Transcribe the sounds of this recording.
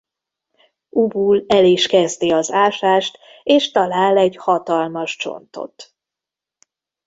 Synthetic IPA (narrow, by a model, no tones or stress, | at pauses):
ubuːlɛleːʃkɛzt̪iɒzaːʃaːʃt̪ | eːʃt̪ɒlaːlɛɟhɒt̪ɒlmɒʃt͡ʃo̞̰nt̪o̞̰t̪